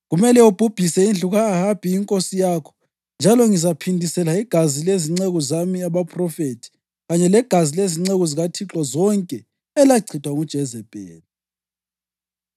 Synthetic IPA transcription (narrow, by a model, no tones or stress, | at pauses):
ɣumɛlɛob̥ʱub̥ʱisɛind͡ɮʱuɣaːɦab̥ʱʼiːŋkʼosijaːkʰɔ̥ | nd͡ʒʱalɔŋizapʰindʱisɛlaiɡ̥ʱazileziŋ͡ǀeɣɔzamiaβapʰʼrɔfetʰi̥ | ɣaɲɛlɛɡ̥ʱazileziŋ͡ǀeɣɔziɣatʰiǁwazɔŋkʼɛ | ɛlaǀʰitʰʼwaŋud̥ʒ̥ʱɛzɛb̥ʱʼɛ̰ːli